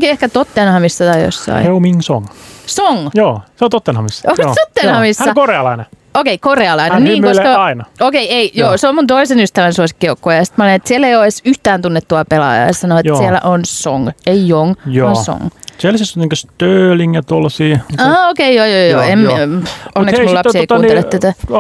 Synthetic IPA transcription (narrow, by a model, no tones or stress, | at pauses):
oŋkiehkæt̪ot̪ːenhɑmisːɑt̪ɑijo̰sːɑ̰ḭheumiŋsoŋsoŋjoːseont̪ot̪ːenhɑmisːot̪ot̪ːenhɑmisænːɑkoreɑlɑineokeikoreɑlɑinenniŋmoslkɑɑinɑokeieijoːseommunt̪oisenyst̪æʋænsuosikːiokːoːjɑsit̪mæulinet̪sielːejoesyht̪æːnt̪unːet̪t̪ːuɑpelɑ̰jɑ̰ɑsɑnoɑt̪siælːæ̰ʔonso̰ŋeijoŋjoɑnso̰ŋselːsisoniŋkøst̪øːliŋjɑt̪olːɑsiːɑːokeijoːjoːjo̰ːem | onnːeksullɑpssieik̪uːnelːett̪æt̪æ